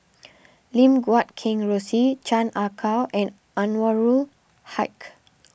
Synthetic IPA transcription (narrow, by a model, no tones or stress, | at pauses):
lĩmɡwat̚kʰɛ̃ŋɹosit͡ʃãnʔakʰawʔɛ̃n | ãnwaɹul | haɪk